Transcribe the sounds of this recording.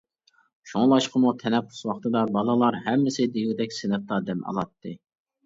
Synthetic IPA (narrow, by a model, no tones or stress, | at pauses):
ʃoŋlˠɑʃqəmut̪ʰɛnɛpʰːʊ̥swɑχt̪ɨd̪ɑbɑlˠɨlˠɑɾɦɛmːɪsɪd̪ejud̪ɛkʲsɪnɨp̚t̪ɑd̪ɛmɑ̰lˠɑt̪ːɨ